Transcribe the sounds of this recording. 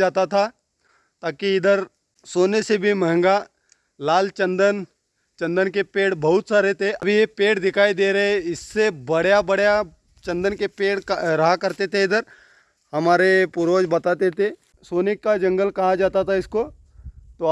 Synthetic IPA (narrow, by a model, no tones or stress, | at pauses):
d͡ʒaːt̪at̪ʰa | t̪aːkiɪd̪əɾ | soːnesebʱimɛɦɛ̃ŋɡa | laːlt͡ʃɐ̃nd̪ən | t͡ʃɐ̃nd̪ənkepeːɽbɐɦʊt̪saːɾet̪ʰeɐbʱijepeːʈd̪ɪkʰaːid̪eːɾɐɦeɪsːebɐɽjabɐɽja | t͡ʃɐ̃nd̪ənkepeːɽɾɐɦakɐɾt̪et̪ʰeɪd̪əɾ | hɐmaːɾepʊɾoːd͡ʒbɐt̪aːt̪et̪ʰe | soːnɪkːad͡ʒɐ̃ŋɡəlkɐɦad͡ʒaːt̪at̪ʰaɪsko | t̪o